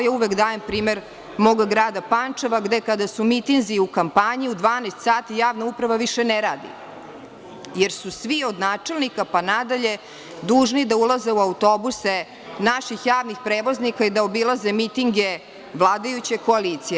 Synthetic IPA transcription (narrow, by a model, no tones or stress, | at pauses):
jauʋekd̪aːjempɾiːmeɾ | moɡaɡɾaːd̪apant͡ʂeʋaɡd̪ekad̪asumit̪inziukampaɲiud̪ʋaːnast̪saːt̪ijaːʋnaupɾaʋaʋiʃeneɾaːd̪ḭ | jeɾsusʋio̞d̪naːt͡ʂe̞lnikapanad̪aʎe̞ | d̪uːʒnid̪aulˠaze̞uaut̪o̞buse | naʃixjaːʋnixpɾeːʋo̞znikaid̪aobilˠazemit̪iŋɡe̞ | ʋlˠaːd̪ajut͡ɕeko̞aliːt̪sije